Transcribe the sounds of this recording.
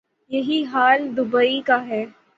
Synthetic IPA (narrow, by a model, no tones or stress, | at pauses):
jɐɦiɦaːld̪ʊbəikaɦɛː